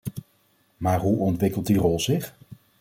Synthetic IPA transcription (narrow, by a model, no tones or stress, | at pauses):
maːɹɦuʔɔntʋɪkəlˠt̚dirɔlˠzɪχ